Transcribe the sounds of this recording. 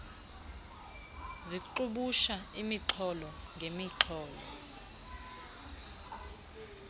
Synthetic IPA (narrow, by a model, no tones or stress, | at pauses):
ziǃuɓuʃaimiǁʰɔlɔŋɡʱemiǁʰɔːlɔ̰